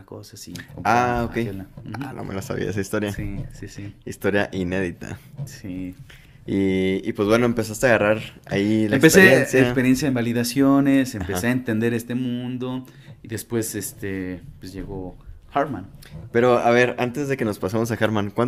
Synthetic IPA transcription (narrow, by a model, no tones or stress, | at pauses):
ko̰sasikoaokkejonam̩no̰melasa̰βḭa̰esaist̪o̞ɾjasisisiist̪o̞ɾjaʔine̞ðit̪ʰa̰si | iːpwe̞zβwe̞no̞empe̞s̬ast̪eaɣaraɾailaemkpeseejensjeaspeɾje̞nsjaembaliðasjo̞nesepeseaent̪end̪e̞ɾe̞st̪e̞mũnd̪o̞ | iðe̞spwe̞zest̪epwesʝe̞ɣo̞ | xaɾmãnpe̞ɾo̞aβe̞ɾant̪ezðe̞ke̞no̞spasamo̞saxaɾmãnkwan